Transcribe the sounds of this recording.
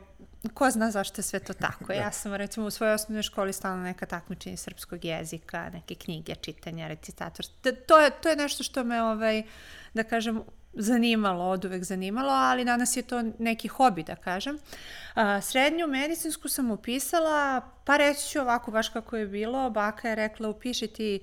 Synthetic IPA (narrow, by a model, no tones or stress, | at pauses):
koznaːzaʃt̪ojesʋet̪oːt̪a̰kojaːsamɾɛt̪simousʋojojosnono̞jʃko̞ːlist̪aːlnonɛkat̪akmit͡ʃeɲesr̩pskoɡjḛzika̰nekekɲiɡet͡ʂit̪aɲaɾet̪sit̪a̰ːt̪oɾt̪oːjet̪ojenɛʃt̪oʃt̪o̞meoʋajd̪akaːʒemzaniːmalood̪uʋekzanimalˠo̞alid̪anasjet̪onekixo̞bid̪a̰kaːʒem | sɾed̪ɲumed̪it̪inskusamupisalˠa | paɾet͡ʃ̪i̥t͡ɕuoʋakobaʃkakojebiːlˠo̞baːkʰajeɾɛklˠaupiːʃat̪i